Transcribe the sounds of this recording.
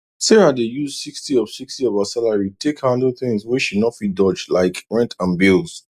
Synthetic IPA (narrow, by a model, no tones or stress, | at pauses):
seɹãdejuzsikstiɔv̥sikstiɔvasalaɹitʰekhanoθɪ̃ŋzwiʃunɔtfit̚dɔd͡ʒlaɪkɹɛ̃ntʰãnbilˠz̥